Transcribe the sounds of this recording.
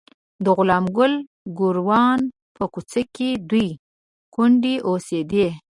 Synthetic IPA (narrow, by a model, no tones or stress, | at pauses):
d̪əɣʊlɑmɡʊl | ɡʊɾwɑn | pəkut͡səked̪uj | kʊɳɖiʔosed̪e